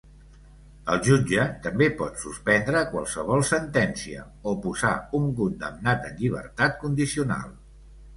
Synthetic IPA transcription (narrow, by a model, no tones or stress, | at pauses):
əlˠʒud͡ʒət̪əmbepɔt̪suspɛnd̪ɾəːkwa̰lˠsəβ̞ɔlˠsənt̪ɛnsiə̰ | opuzauŋkund̪əmnat̪ənʎiβ̞ə̰rt̪at̪kund̪isiuna̰lˠ